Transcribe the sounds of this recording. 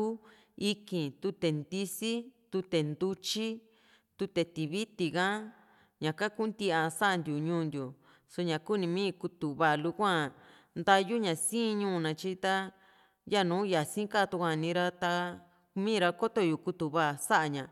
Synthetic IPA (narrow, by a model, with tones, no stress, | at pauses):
u˦ | i˦kĩ˨t̪u˧t̪e˨nd̪i˧si˦t̪u˧t̪e˨nd̪u˦t͡ʃi˦ | t̪u˧t̪e˨t̪i˨βi˦t̪i˧˨ɣã˦ | ɲã˨ka˦ku˦nd̪i˧ã˧sa˦ʔa˧nd̪ʲju˨ɲũː˦˧˦nd̪ju˨ | so˧ɲã˨ku˦nĩ˧mĩː˦˧ku˧t̪u˨βa˧˨lu˧kʷã˦ | nd̪a˧ju˦ɲã˨sĩ˦˧ɲũː˦˧nã˧t͡ʃi˦t̪a˦ | ja˦˨nũː˨˦ja˨sĩ˦ka˦˨t̪u˧kʷã˧˨˧nĩ˧ɾa˦t̪a˧ | mĩː˦˧ɾa˧ko˦t̪o˧ju˨ku˧t̪u˨βa˦ʔsa˦ʔa˧ɲã˨